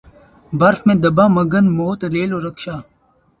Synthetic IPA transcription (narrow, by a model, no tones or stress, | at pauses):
bɐɾfmẽːd̪ɐbaːmɐɡɐnmoːt̪ɾeːloɾɐkɕaː